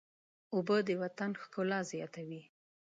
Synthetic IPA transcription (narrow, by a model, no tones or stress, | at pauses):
ʊbəd̪əwat̪anxkʊlɑzjɑt̪awi